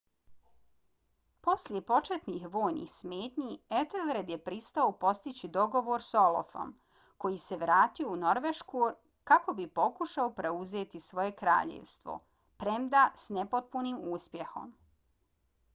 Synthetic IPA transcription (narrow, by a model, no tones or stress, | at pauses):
po̞slʎʲje̞po̞t͡ʃet̪nixʋo̞ːjnḭxsmeːt̪ɲiet̪elɾed̪je̞pɾist̪aopo̞st̪it͡ɕid̪o̞ɡo̞ʋo̞ɾso̞lo̰fo̞̰m | ko̞jise̞ʋɾaːt̪iouno̞ɾʋeʃku | kako̞bipo̞kuʃaopɾe̞uze̞ːt̪isʋo̞je̞kɾa̰ːʎḛʋst̪ʋo̰ | pɾe̞md̪asnepot̪̚puniːmuːspje̞xo̞̰m